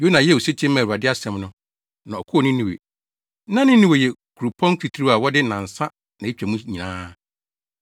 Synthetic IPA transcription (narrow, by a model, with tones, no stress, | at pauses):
jo˦nã˨jɛ˦˨o˨se˦t͡ɕʰɛ̃˦m̃ː˦˨u˨a˨dɪ˦a˦sɛ̃˦mnʊ̃˦ | nã˨ɔ˨kʰʊ˦ɔ˨nʊ̃˦nĩ˨wḛ˨˦ | nã˦nɪ̃˦nĩ˦˨we˨jɛ˨kʰu˨ɾu˨pʰɔ̃˦ŋ˦kʰi˨tʰi˦ɾi˦a˨wɔ˦dɪ˦nã˨n̩˨sa˦ | nã˨e˦t͡ɕᶣa˨mũ˦ɲĩ˨nã̰ː˦